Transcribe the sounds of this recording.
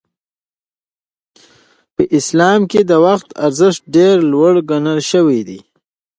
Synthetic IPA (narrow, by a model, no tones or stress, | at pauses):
pəʔɪslɑmked̪əwaxt̪aɾzɪʂʈ̚ɖeɾlwaɽɡanalʃəwid̪i